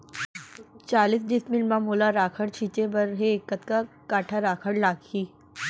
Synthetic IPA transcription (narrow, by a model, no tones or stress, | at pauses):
t͡ʃaːliːsd̪ismilmamolaɾaːkʰəɽt͡ɕʰiːt͡ɕebəɾɦekːət̪kakaːʈʰaɾaːkʰəɽlaːɡhiː